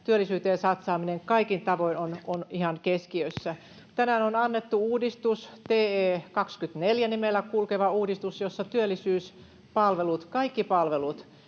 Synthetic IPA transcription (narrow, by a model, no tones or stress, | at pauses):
t̪yølːˑisyːt̪eːnsɑt̪sɑːmineŋkɑikint̪ɑʋoinononihɑŋkeskiøsːæ | t̪ænæːnonɑnːet̪ːuuːdist̪ust̪eːeːkɑkskyt̪neljænimelːækulkeʋɑuːdist̪usjosːɑt̪yølːisyːs | pɑlʋelut̪kɑikːipɑlʋelut̪